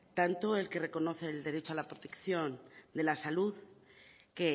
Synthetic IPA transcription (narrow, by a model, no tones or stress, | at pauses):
t̪ant̪oe̞lke̞re̞ko̞no̞θe̞ːld̪e̞ɾe̞t͡ʃoalapɾot̪e̞kθjo̞nd̪e̞lasaluðke